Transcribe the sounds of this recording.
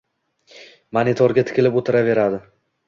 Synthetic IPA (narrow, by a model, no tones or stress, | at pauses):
manɪt̪ʰɒɾɡʲat̪ʰɪ̥kʲɪlɪpot̪ʰɪɾave̞ɾad̪ɪ